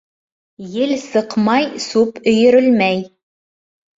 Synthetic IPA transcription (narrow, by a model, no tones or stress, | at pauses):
jɘlsɤqmɑjsupɵ̆jɵ̆ɾɵlmæj